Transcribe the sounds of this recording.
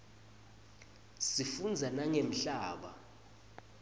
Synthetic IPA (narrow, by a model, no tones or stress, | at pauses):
sifund͡zʱanaŋem̩ɬaːɓa̰